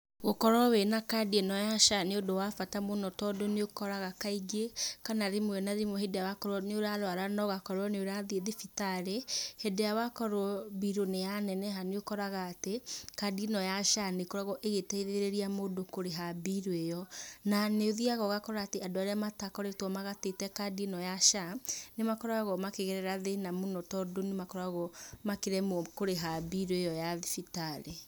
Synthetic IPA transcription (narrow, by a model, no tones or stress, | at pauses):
ɣokɔɾɔwenakadienɔjaʃaneodowafatamonɔtɔdoneokɔɾaɣakaiɡekanaɾemwɛnaɾimwɛɦedejawakɔɾɔneoɾaɾwaɾanɔɣakɔɾwɔneoɾaðieðefitaɾehedejawakɔɾɔbiɾonejanɛnɛɦaneokɔɾaɣaːtekadienɔjaʃanekɔɾaɣɔʔeɣetɛiðeeɾeɾiamodokoɾeɦabiɾwejɔnaneoðiaɣɔɣakɔɾaːteadoaɾeamatakɔɾetwɔmaɣatetɛkadinɔjaʃanemakɔɾaɣɔmakeɣɛɾɛɾaðenamonɔtɔdonemakɔɾaɣɔmakeɾɛmɔkoɾeɦabiɾwejɔjaðifitaɾe